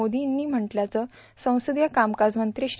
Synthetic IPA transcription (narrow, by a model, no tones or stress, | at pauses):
od̪inːiːm̤əɳʈljat͡səː | sə̃w̃səd̪jəkamkad͡zmənt̪ɾiɕ